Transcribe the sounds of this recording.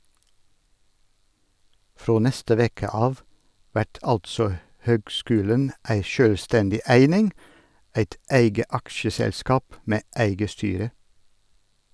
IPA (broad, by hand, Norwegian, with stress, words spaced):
ˈfɾoː ˈnɛstə ˈʋeːkə ˈɑːʋ ˈʋæʈ ˈɑltsɔ ˈhøːɡˌskʉːlən ˈæɪ ˈʃøːlˌstɛndɪ ˈæɪnɪŋ ˈæɪt ˈæɪɡə ˈɑkʃəsɛlˌskɑːp ˈmeː ˈæɪɡə ˈstyːɾə